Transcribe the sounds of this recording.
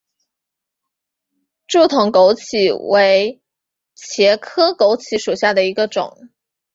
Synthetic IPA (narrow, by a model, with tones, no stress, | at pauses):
ʈ͡ʂu˥˩t̪ʰʊ˧˥ŋko˧˥ʊt͡ɕʰi˨˩we˧˥ɪ | t͡ɕʰjɛ˧˥kʰɤ˥ko˧˥ʊt͡ɕʰi˧˥ʂu˨˩ɕja˥˩d̪ə˩i˧˥ɡə˧ʈ͡ʂʊ̰˨˩˦ŋ